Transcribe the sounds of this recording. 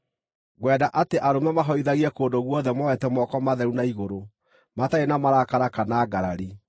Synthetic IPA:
ɣwɛːdaʔateʔaɾomamaɦɔiðaɣiɛkoːndoɣwɔðɛmɔwɛtɛmɔkɔmaðɛɾunaiɣoɾo | mataenamaɾakaɾakanaɡaɾaɾi

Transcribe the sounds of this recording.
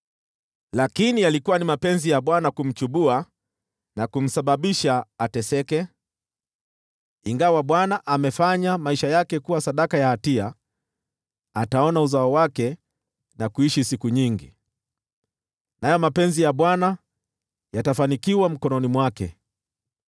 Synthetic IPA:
lakinijalikuwanimapɛnzijaɓwanakum̩t͡ʃuɓua | nakum̩saɓaɓiʃaːtɛsɛkɛ | iŋɡawaɓwanaʔamɛfaɲamaiʃajakɛkuwasaɗakajahatia | ataɔnauzaɔwakɛ | nakuiʃisikuɲiŋɡi | najɔmapɛnzijaɓwana | jatafanikiwam̩kɔnɔnimwakɛ̰

